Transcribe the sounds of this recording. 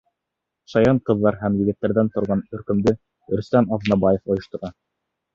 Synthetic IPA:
ʃɑjɑɴqɤ̆ðːɑɾɦæmjɘ̆ɡɘ̆t̪ːæɾðænt̪ŏɾʁɑnɵ̆ɾkɵ̆md̪ɘ | ɵ̆ɾst̪æmɑðnɑbɑjefŏjŏʃt̪ŏɾɑ

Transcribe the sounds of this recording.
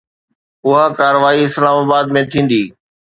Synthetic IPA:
ʊɦakaːɾəʋaːiɪslaːmaːbaːd̪mẽt̪ʰĩːn̆d̪iː

